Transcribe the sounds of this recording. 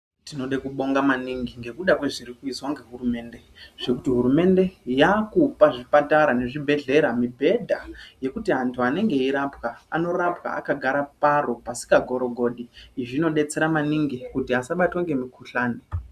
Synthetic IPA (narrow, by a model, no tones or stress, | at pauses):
tino̞ɗekuɓo̞ŋɡamaniŋɡiŋɡe̞kuɗakwe̞ʐirikuiswaŋɡe̞ɦurume̞ːnde̞ʐ̥e̞kutiɦuɾume̞nde̞jakupaʐipataɾane̞ʐibʱe̞ɮe̞ɾamibʱe̞dʱaje̞kutiɦantʰuane̞ŋɡe̞iɾapwaano̞rapwa̰a̰kaɡʱaɾaparo̞pasi̥kaɡʱo̞ɾo̞ɡʱo̞ːɗiʐino̞ɗe̞t͡se̞ɾamaniŋɡikutiasaɓatwaŋɡe̞mikʰuɬaːni